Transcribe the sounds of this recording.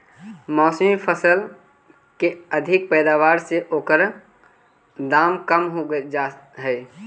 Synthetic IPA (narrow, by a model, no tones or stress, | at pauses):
mɔːsəmpʰəsəl | keəd̪ʱɪk̚pɛːd̪aːʋaːɾseʔoːkəɾ | d̪aːmkəmɦoaɦɛː